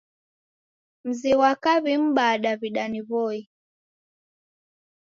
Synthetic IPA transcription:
m̩ziwakaβim̩baɗaβiɗaniβɔi

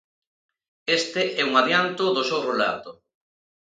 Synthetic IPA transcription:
est̪eʔɛuŋaðjant̪ʊðosowrola̰ðo

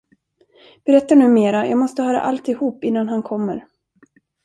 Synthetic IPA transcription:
b̥ɛɾɛt̪ːanʉ̟ːmeːɾajɑːɡmɔst̪əhœːɾa̰ʔalt̪ɪhuːpɪnːanɦankʰɔmːəɾ

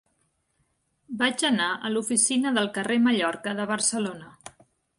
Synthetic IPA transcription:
bad͡ʒənaʔəlufisinəðəlˠkəreməʎɔɾkəðəβərsəlonə

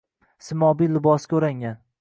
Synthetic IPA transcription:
sɪmɒbilːɪbɒskʲɵɾaŋan

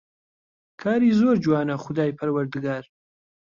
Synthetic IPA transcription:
kʰaːɾiːzoɾd͡ʒwaːnɐχʊd̪aːjpʰɐɾwɐɾd̪ɨɡaːɾ

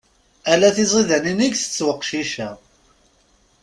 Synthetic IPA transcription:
ælæθizˤiðæniniʝθə̥t͡sːwəqːʃiʃæ

